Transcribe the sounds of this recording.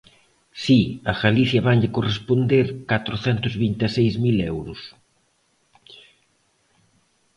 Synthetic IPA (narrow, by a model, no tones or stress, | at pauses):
siɐɣaliθjɐβaɲʎɪkorespond̪eɾkat̪ɾʊθɛnt̪ʊzβint̪esejzmilɛwɾʊs